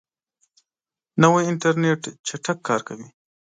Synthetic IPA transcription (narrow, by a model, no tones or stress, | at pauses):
nawaɪɳʈaɾneʈt͡ʃaʈakːɑɾkawi